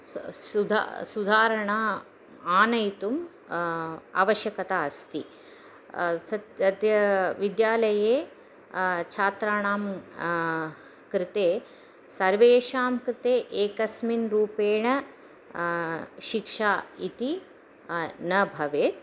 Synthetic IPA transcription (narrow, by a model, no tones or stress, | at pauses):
ud̪ʱa̰sud̪ʱaːɾɐɳaː | aːnɐjt̪um | a̰ːʋɐʃjɐkɐt̪aːɐst̪i | sɐt̪t̪jɐʋid̪jaːlɐjeː | t͡ʃʰaːt̪ɾaːɳaːm | kɾɪt̪eː | sɐɾʋeːʃaːmkɾɪt̪eːʔeːkɐsminɾuːpeːɳɐ | ʃikʂaːit̪i | nɐbʱɐʋeːt̪